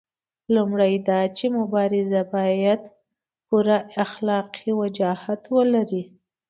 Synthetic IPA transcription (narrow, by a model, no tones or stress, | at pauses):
lumɽajd̪ɑt͡ʃemʊbɑɾɪzabɑjad̪ | puɾaaxlɑqʰiwad͡ʒɑhat̪wəlaɾi